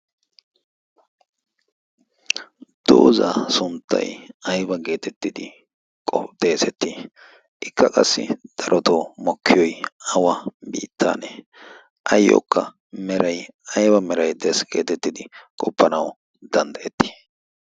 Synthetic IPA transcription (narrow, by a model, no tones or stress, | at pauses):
d̪̥o̰ːzɐ̰sʊnt̪ːɐ̰jɐjbɐɡe̞ːt̪ɛt̪ːɪd̪ɪ | kʼɔd̪̥eːsɛt̪ːi | ʔɪkːɐkʼɐsːɪ̰d̪̥ɐɾɔt̪omɔkʰːɪjɔjɐwɐbiːt̪ʰːa̰ːne | ʔɐjːɔ̰kːɐ | mɛɾɐjɐjbɐmɛɾɐjd̪ɛsɡ̥e̞̰ːt̪ɛt̪ːɪd̪ɪkʼɔpːɐnɐw | d̪̥ɐnd̪ɐʔɛt̪ːi̥